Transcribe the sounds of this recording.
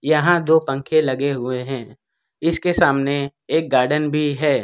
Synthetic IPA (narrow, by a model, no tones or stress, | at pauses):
jɐɦãd̪oːpɐ̃ŋkʰelɐɡeɦʊeɦɛ̃ː | ɪskesaːmneeːk̚ɡaːɾɖənbʱiɦɛː